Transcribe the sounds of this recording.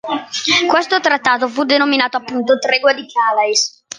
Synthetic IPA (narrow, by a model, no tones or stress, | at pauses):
kwɛst̪ot̪ɾat̪ːaːt̪ofud̪enominaːt̪oapːunt̪ot̪ɾɛɡwad̪ikaːlais